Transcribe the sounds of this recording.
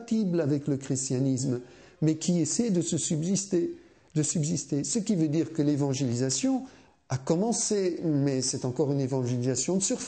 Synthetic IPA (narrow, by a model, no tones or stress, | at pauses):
t̪iblavɛkləkχist̪janis̬m | mɛkʲʰiesɛd̪əsəsybzist̪e | d̪əsybzist̪esəkʲivød̪iʁkəlevɑ̃ʒelizasjɔ̃ | akɔmɑ̃semɛsɛt̪ɑ̃kɔʁynevɑ̃ʒelizasjɔ̃d̪əsyʁf